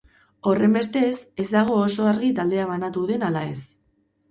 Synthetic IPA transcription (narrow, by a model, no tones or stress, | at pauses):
o̞re̞mbe̞st̪e̞se̞zd̪aɣ̞o̞ːso̞aɾɣit̪ald̪e̞aβanat̪uðe̞nalae̞s